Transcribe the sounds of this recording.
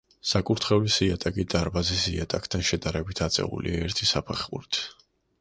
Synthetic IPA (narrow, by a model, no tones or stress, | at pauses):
sakʼuɾt̪ʰχɛvisiat̪ʼakʼid̪̥aɾbazisiat̪ʼakʰt̪ʰanʃɛd̪aɾɛbit̪ʰat̪sʼɛ̰ṵlḭaɛɾt̪ʰisapʰɛχuɾit̪ʰ